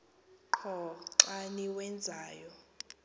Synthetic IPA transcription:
ǃʰɔǁaniwɛnd͡zʱaːjɔ

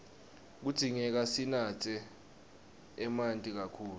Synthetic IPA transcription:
k̬ud̥ʱiŋɛk̬asinatʰʼɛ | mantʼik̬akʰuːl

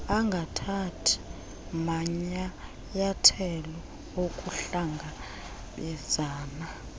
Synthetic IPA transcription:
aŋɡʱatʰatʰi̥ | maɲa | jatʰɛlɔ | okʼuɬaŋɡʱa | ɓɛz̥aːna

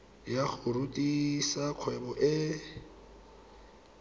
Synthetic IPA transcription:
jak͡xʊrutʼisaq͡χʰwɛbɔʔɪ

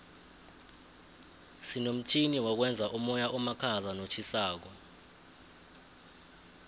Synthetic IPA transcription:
sinom̩tʰiniwak̬wɛnd͡zʱaʔumɔjaʔɔmakʰazanot͡ʃʰisaːk̬ɔ

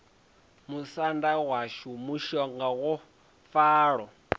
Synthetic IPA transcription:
musandawaʃumuʃɔŋɡawɔ | faːɺɔ

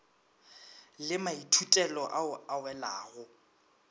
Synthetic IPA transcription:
lɪmaitʰutʼɛlɔʔaawɛla̰ːɣʊ

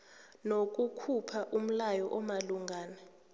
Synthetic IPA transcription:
nok̬ʼukʰupʰaʔum̩lajɔʔɔmaluŋɡʱaːnɛ

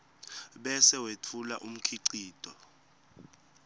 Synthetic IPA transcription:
ɓɛsɛwetʰulaʔum̩kʰiǀiːd̥ʼʱɔ

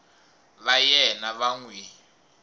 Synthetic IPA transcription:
βajɛnaβaŋweː

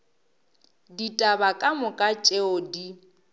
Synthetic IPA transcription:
ditʼabakʼamʊkʼat͡ʃʼeodi

